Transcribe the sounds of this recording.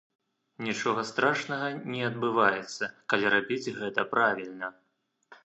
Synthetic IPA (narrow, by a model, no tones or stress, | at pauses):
nʲit͡ʂɔɣɐst̪ɾʔaʂnɐɣɐnʲɛɐd̪̚bɨvajɛt̪sːɐkalʲiɾabʲid͡zʲɣɛt̪ɐpɾavʲilʲnɐ